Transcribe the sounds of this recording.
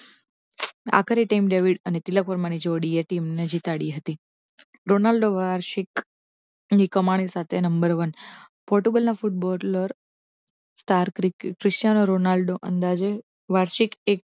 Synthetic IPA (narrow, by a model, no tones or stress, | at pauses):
a̰kʰəɾiʈamɖeʋiɽənet̪ilək̚pəɾmañid͡ʒoɽieʈimned͡ʒit̪aɽiɦət̪i | ɾonalɖoʋaɾʃik | ikəmaɽ̃isat̪ʰenəmbəɾʋən | pɔɾʈuɡəlnafuʈ̚bɔɾləɾ | sʈaɾkɾikɾiʃjanoɾonalɖoʔənd̪ad͡ʒe | ʋaɾʃikek̚